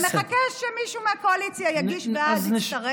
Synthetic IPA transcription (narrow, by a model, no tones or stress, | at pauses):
meakeʃʃemiʃumeakoalit͡sjajaɡiʃveaziaʁe